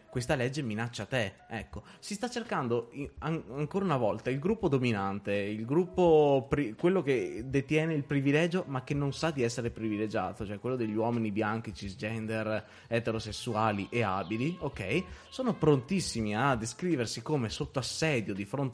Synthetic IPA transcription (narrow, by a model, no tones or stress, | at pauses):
kwest̪alɛd͡ʒːeminat͡ʃːat̪eɛkːosist̪at͡ʃːerkand̪oaaŋkoːɾaunavɔlt̪ailɡɾupːod̪ominant̪eilɡɾupːopɾikːwelːoked̪et̪jɛːneilpɾivilɛːd͡ʒomak̟ːenːonsad̪iɛsːeɾepɾiviled͡ʒa̰ːt̪ot͡ʃoɛkːwelːod̪eʎːiwɔːminibjaŋk̟it͡ʃisd͡ʒɛnd̪er | ɛt̪eɾosesːuaːliʔea̰biliokɛjsoːnopɾont̪isːimiad̪ːeskɾiːversikomesot̪ːoasːɛːd̪jod̪ifɾont̪